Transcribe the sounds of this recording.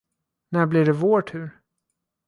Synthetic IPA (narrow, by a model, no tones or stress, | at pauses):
næɾblɪɖɛvoːʈʰʉ̟ːɾ